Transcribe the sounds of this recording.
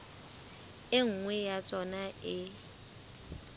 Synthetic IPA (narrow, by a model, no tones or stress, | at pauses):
ɪŋ̩ŋwɛjat͡sʼɔnaʔɪ